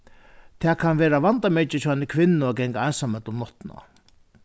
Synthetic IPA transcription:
t̪ʰɛːkʰanʋeːɾavant̪amɛt͡ʃɪt͡ʃʰɔanːɪkʰʋɪnːʊɔɡɛŋkaansamœt̪ləmnɔht̪na̰

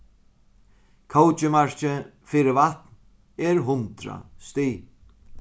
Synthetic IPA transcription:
kʰowt͡ʃɪmaɹ̥t͡ʃɪ | fiɾɪvaht̪n | ɛɾɦʊnt̪ɾa̰st̪iː

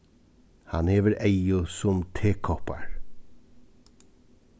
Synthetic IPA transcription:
hɑnheːʋəɾʔæɪʊsʊmt̪ʰeːkʰɔpɑ̰ɹ

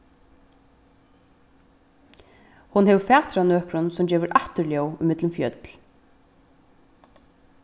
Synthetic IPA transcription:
hunhɛʋfæːht̪ɾanøːkɾʊnsʊmd͡ʑɛːʋʏɾʔaft̪ʏɾljɔwʏmɪt̪ləmfjœt̪l

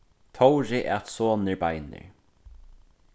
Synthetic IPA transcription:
t̪ʰɔwɾɪʔɛt̪soːnɪɹbajnɪ̰ɹ

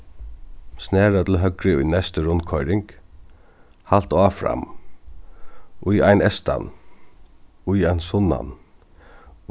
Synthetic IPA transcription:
snɛːɾat̪l̩ɦœɡɾɪʊjnɛst̪əɾʊnkʰɔʏɾɪŋk | halt̪aːfɾa̰m | ʔʊjajnɛst̪a̰n | ʊjajnsʊna̰n

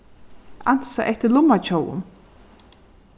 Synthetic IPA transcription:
an̥saʔɛht̪əlʊmːat͡ʃʰowʊ̰m

